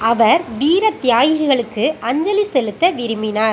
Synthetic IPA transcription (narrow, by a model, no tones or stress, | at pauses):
ɐʋɐɾʋiːɾɐt̪ɪjaːjɪɣɯɣɐɭɯkːɯʔɐɲd͡ʒɐlisɛlɯt̪ːɐʋɪɾɯmɪnaːɾ